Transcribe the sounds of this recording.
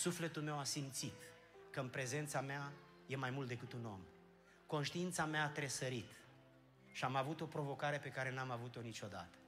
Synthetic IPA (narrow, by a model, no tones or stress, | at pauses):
sufle̞t̪ulme̞wasimt̪sit̪ | kəɨnpɾe̞ze̞nt̪samea | jemajmult̪d̪e̞kɨt̪uno̞̰m | ko̞nʃt̪iint̪sameaːt̪ɾe̞səɾit̪ | ʃiamavut̪o̞pɾo̞vo̞kaɾe̞pe̞kaɾe̞namavut̪o̞nit͡ʃo̞d̪a̰t̪ə̥